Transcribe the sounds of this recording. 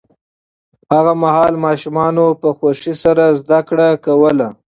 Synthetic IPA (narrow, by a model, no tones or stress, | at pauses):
haɣamahɑlmɑʃumɑnopəxwaʂisaɾazd̪akɽakawəla